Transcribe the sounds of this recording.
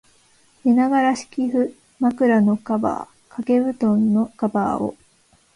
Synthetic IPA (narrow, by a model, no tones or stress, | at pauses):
minaɡaɾaɕi̥kʲiɸɯ̟ | makɯ̟ɾano̞kaba̰ː | kake̞bɯ̟t̪õ̞nːo̞kaba̰ːo̰